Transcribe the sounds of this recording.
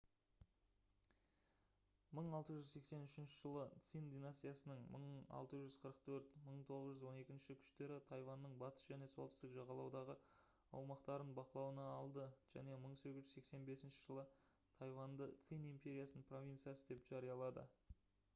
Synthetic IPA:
məɴɑlˠt̪əʒʏzse̞kse̞nʏʃɪnʃɪʒəlˠət̪sijnd̪inast̪ijasənəɴməɴɑ̰lˠt̪əʒʏzqʰəɾəqt̪ʰɵɾt̪məɴt̪ʰo̞ʁəzʒʏzwo̞ne̞kʲɪnʃɪkʲʰʏ̥ʃt̪e̞ɾɪt̪ʰɑjvɑnːəɴbɑt̪ə̥sʒæne̞solt̪ɪst̪ɪkʒɑʁɑlˠɑwd̪ɑʁə | ɑwmɑqt̪ɑɾənbɑqəlˠɑwənɑɑlˠd̪əʒ̥æ̰ne̞məɴse̞ɡʲɪʒʏzsekse̞nbe̞sɪnʃɪ̥ʒəlˠə | t̪ʰɑjvɑnd̪ət̪sijnimpʲe̞ɾʲijasənənpʰro̞vʲint̪sijasəd̪epʒ̥ɑɾijɑlˠɑd̪ə̰

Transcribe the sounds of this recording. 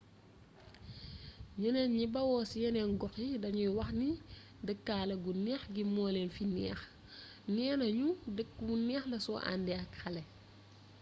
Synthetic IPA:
ɲunɛnɲibɐwɔːsijɛnɛnɡɔxjidɐɲujwɐxni | dəkːaːlɐɡunɛːxɡimɔːlɛnfinɛːx | nɛːnɐɲudəkːunɛːxlɐsɔʔa̰ndɛɐkxɐlɛ

